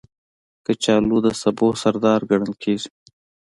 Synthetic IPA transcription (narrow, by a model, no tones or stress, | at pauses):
kət͡ʃaːluːd̪əsɐboːsɐɾd̪ɑːɾɡɐɽɐlkʰeːz